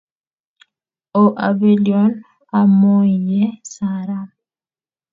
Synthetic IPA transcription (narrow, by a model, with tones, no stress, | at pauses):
ɔ˨ʔa˨be˦liɔ˦n | a˨mo˦i˨jɛ˦saɾa˦